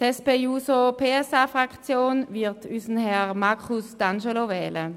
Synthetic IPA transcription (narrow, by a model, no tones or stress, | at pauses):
ɛspejuːsopʰeːɛsaːfʁakt͡sjoːnvɪʁtʰysn̩hɛʁmakʰusd̥anʃelovɛːlə